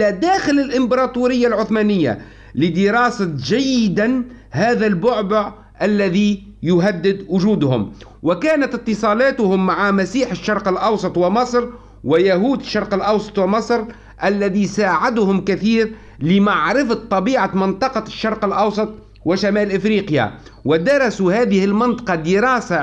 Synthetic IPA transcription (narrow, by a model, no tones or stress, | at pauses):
æd̪æːxɪlɪlʔɪmbɑɾˤɑːt̪uːɾɪjːalʕʊθmæːnɪjːa̰ | lɪd̪ɪɾɑːsaʒajːɪd̪an | hæːðælbʊʕbʊʕ | ʔalːæði | jʊɦad̪ːɪd̪wʊʒuːd̪hʊ̰m | wɪkæːnat̪ɪt̪ːɨsˤɑːlɑːt̪ʊhʊmːaʕamæsiːħɪʃːɑɾˤqɪlʔɑwsˤɑt̪ˤwɪmɑsˤɾ | wɪjaɦuːd̪ɪʃːɑɾˤqəlʔɑwsˤɑ̥t̪ˤwɪmɑsˤɾ | ʔɪlːæðisaːʕɪd̪hʊmkɪθiːɾ | lɪmaʕɾɪfat̪ˤːɑbiːʕamɪnt̪ˤɑqɑʃːɑɾˤqɪlʔɑwsˤɑt̪ˤ | wɪʃamæːlʔɪfɾiːqja̰ | wɪd̪ɑɾˤɑsuhæːðɪhɪlmɪnt̪ˤɑ̥qɑd̪ɪɾɑːsa